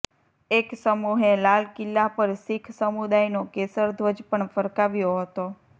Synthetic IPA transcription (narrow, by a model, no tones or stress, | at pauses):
eksəmuɦelalkɪlːapəɾsikʰsəmud̪ajnokesəɾd̪ʱʋəd͡ʒpəɳfəɾkaʋjoɦət̪o